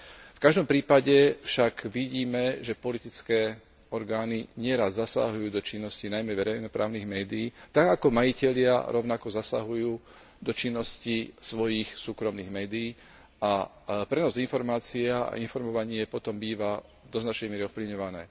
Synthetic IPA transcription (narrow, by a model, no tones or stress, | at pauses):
fkaʒd̪ɔmpɾiːpaɟɛfʃaɡʋiɟiːmɛʒɛpɔlit̪it͡skɛː | ɔɾɡaːniɲɪɛɾazzasa̰ɦujuːd̪ɔt͡ʃinːɔscinajmɛʋɛɾɛjnɔpɾʔa̰ːʊniːɣmɛːd̪iiːt̪aɡakɔmajicɛʎɪa̰ɾʔɔʊnakɔzasa̰ɦujuː | d̪ɔt͡ʃinːɔscisʋɔjixsuːkɾɔmniːɣmɛːd̪iiː | a | pɾɛnɔzinfɔɾmaːt͡siɛa̰infɔɾmɔʋaɲɪɛpɔt̪ɔmbiːʋa | d̪ɔznat͡ʃɛjmɪɛɾiɔfpliʋɲɔʋanɛː